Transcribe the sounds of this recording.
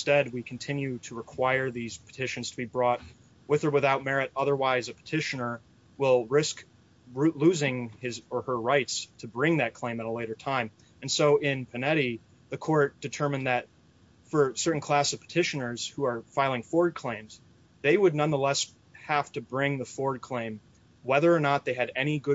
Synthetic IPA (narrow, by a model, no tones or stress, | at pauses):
nstɛd̚wikʰn̩tʰɪ̃njʉɾɨɹɨkʰw̥aɪə˞ðiz̥pʰə̥tʰɪʃɨ̃n̩z̥tʰəbibɹɔt̚ | wɨðə˞wɨθaʊt̚mɛɹɨɾʌðə˞waɪzɨpʰə̥tʰɪʃɨnə˞ | wɪlˠɹɪsk | ɹluzɪ̃ŋɪzə˞ə˞ɹaɪtstʰɨbɹɪ̃ŋðɨt̚kʰl̥ẽɪ̃mɨɾəleɪɾə˞tʰãɪ̃m | ɨ̃nsoʊʔɪ̃npʰɨnɛɾi | ðɨkʰɔɹt̚d̥ɨtʰɜ˞mɨ̃nðɨt̚ | fə˞sɜ˞ʔn̩kʰl̥æsʌv̥pʰə̥tʰɪʃɨnə˞z̥huə˞faɪlˠɪ̃ŋfɔɹd̚kʰl̥ẽɪ̃mz | ðeɪwədⁿnʌ̃nðəlɛs | hæftɨbɹɪ̃ŋðɨfɔɹd̚kʰl̥ẽɪ̃m | wɛðə˞ːnət̪̚ðeɪɨɾɛñiɡʊ